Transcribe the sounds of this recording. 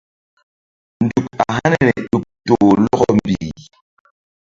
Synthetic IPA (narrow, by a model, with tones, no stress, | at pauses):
n̩˨du˨pa˨ɦa˦nɛ˦˨nɛ˨ɗu˨p̚to˨lɔ˦ɣɔ˦m̩˨bi˨